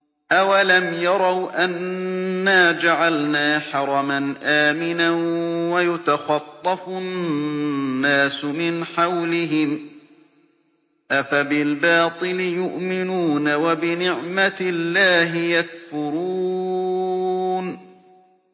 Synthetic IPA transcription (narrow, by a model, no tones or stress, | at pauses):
ʔawalamjɑɾˤɑwʔanː | aːd͡ʒaʕalnaːħɑɾˤɑmanʔaːmɪnanwajʊt̪axɑt̪ˤːɑfʊ | aːsʊmɪnħawlɪɦɪm | ʔafabɪlbɑːt̪ˤɨlɪjʊʔmɪnuːnawabɪnɪʕmat̪ɪlːaːɦɪjakfʊɾuː | n